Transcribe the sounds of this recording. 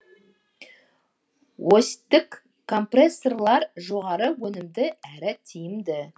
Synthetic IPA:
wost̪ːɪkʰː | o̞mpresːorlˠɑɾʒo̞ʁɑɾəwɵnɪmd̪ɪæɾɪt̪ʰijɪmd̪ɪ

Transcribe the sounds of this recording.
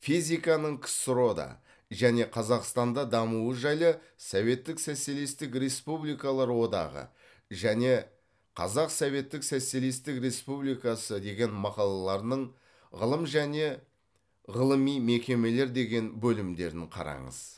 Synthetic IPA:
fijzʲijkɑnəɴkʲʰɪ̥sʊɾo̞d̪ɑ̰ | ʒæne̞qʰɑzɑqst̪ɑnd̪ɑd̪ɑmuəʒɑjlˠə | sove̞t̪ːɪksæse̞list̪ɪkɾe̞spublijkɑlˠɑɾwo̞d̪ɑ̰ʁə̰ | ʒæne̞ | qʰɑ̰zɑqsove̞t̪ːɪksæselist̪ɪkɾe̞spublijkɑsəd̪e̞ɡʲe̞nmɑqɑlˠɑlˠɑɾnəɴ | ʁəlˠəmʒæne̞ | ʁəlˠəmijme̞kʲe̞me̞le̞ɾd̪e̞ɡʲe̞nbɵlɪmd̪e̞ɾɪɴqʰɑ̰ɾɑ̰ɴə̰z̥

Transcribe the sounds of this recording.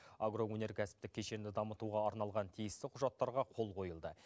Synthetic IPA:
aɡɾo̞wɵne̞ɾkʲʰæsɪ̥p̚t̪ɪkʲʰːeʃeɾɪnd̪ɪd̪ɑmət̪uʁɑːɾnɑlˠʁɑnt̪ʰijɪst̪ɪqʰʊʒɑt̪ːɑɾʁɑqʰo̞lˠqʰo̞jəlˠd̪ə

